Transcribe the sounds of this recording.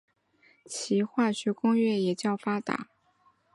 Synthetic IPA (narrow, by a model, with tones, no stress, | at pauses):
t͡ɕʰi˧˥xwa˥˧t͡ɕʰy˥˧kʊ˥ŋɥɛ˥˩jɛ˨˩t͡ɕjɑ˥˩ʊfa˥t̪a̰˨˩˦